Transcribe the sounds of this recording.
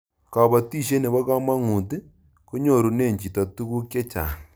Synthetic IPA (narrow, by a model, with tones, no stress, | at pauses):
kɔ˨βɔ˨ti˦˨ʃe˦ne˨βɔ˦kɔ˦ma˦ŋu˨ti˦ | ko˦ɲo˦˨ɾu˨ne˦˨ɲt͡ʃi˨tɔ˨tu˦ɣu˦kje˦t͡ʃa̰˨